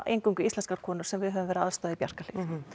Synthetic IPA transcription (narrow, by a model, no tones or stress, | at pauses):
ʔḛjŋkʏŋkʏislɛnskaɾ̥kʰɔːnʏɾ̥sɛmvɪðɦɛœvʏmvɛɾɪðaðst̪ɔːðaipja̰r̥kalɪx